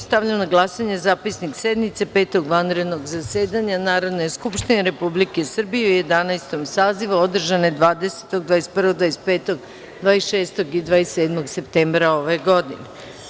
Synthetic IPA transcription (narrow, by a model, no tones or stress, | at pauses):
st̪aʋʎanaɡlˠasaɲe̞zaːpisniksed̪mit̪sepeːt̪o̞ɡʋanɾe̞d̪no̞ɡzaseːd̪aɲanaːɾo̞d̪nojskupʃt̪ineɾe̞publike̞sr̩bijeujed̪anajst̪o̞msaːziʋuo̞d̪r̩ʒanod̪ʋaːd̪e̞se̥t̪oɡ̚d̪ʋaːespr̩ʋoɡd̪ʋaːjespe̞ːt̪o̞ɡ | d̪ʋaːesʃeːst̪o̞ɡid̪ʋaːeseːd̪moɡsep̚t̪embɾao̞ʋe̞ɡo̞d̪ine